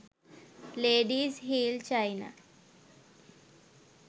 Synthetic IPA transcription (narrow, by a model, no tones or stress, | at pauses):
leɖiːsɦiːlt͡ɕajna̰